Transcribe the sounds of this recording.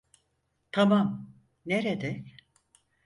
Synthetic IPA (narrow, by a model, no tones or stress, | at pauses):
t̪ʰamam | neɾed̪ɛ